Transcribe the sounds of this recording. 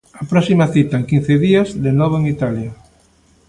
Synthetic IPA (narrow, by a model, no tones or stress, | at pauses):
apɾɔsimaθit̪aeŋkĩn̟θeðiazðenɔβ̞oeŋit̪alja